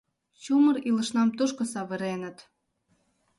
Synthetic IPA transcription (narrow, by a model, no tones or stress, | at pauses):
t͡ɕumə̆ɾilə̆ʃnɑmt̪uʃkŏsɑβə̆ɾenə̆t̪